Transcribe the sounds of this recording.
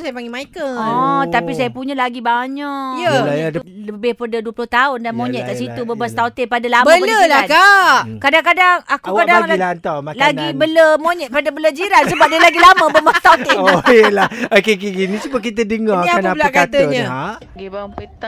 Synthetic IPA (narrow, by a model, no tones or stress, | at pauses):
sajapaŋɡimaikəɔt̪apisajapuɲəlaɡibaɲɔjəlajadələbɪhpədəduəplʊht̪aʊndanmoɲɛʔ̪̚kaʔsit̪ubəbast̪awt̪epadalambmələlaakaʔkadaŋkadaŋakukadaaŋɡlilant̪ɔmallaɡibələmoɲɛʔ̪̚padəbələd͡ʒiɾansəbap̚dalaɡilamə̃bəbast̪awt̪ejəlahokekeɡinĩsubək̬it̪ədəŋɔakaanalaʔkat̪əəɲəaʔ | ɡibapət̪